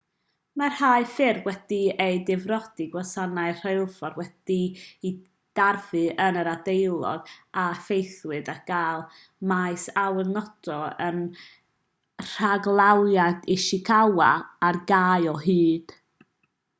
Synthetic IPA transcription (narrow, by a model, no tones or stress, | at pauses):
marhaːɨfɪrwɛd̥iejdɪvrɔd̥iɡwasanaɨr̥ejlˠfɔrwɛd̥ii | d̥arvɨənəɾadejlˠɔ̰ɡafejθwɨdaɡ̥aːlˠ | majsawɛnɔd̥ɔən | r̥aɡlˠawjadʰiʃɪkʰawaːrɡaːɨɔɦɨːd̥